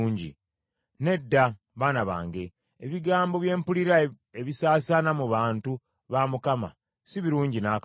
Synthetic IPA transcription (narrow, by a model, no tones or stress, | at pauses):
ɲɟḭ | ne̞dːa | βaːnaβa̰ːŋɡe̞ː | βiɡaːmbo̞βje̞ːmpuliɾa | eβisaːsanamuβaːntu | βaːmukama̰ | siβiɾuːɲɟinak